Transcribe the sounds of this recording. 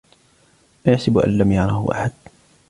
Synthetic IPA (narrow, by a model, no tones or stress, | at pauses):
maːjaħsɪbʔa̰nlamjɑʕɾˤɑhʊ̰ʔa̰ħad̪